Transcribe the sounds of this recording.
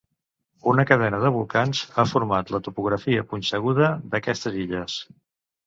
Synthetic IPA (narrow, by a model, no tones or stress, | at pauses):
unəkəðɛnəð̞əβ̞ulˠkanzafuɾmat̪lət̪upuɣ̞ɾəfiəpunsəɣ̞uð̞əðəkɛst̪əziʎəs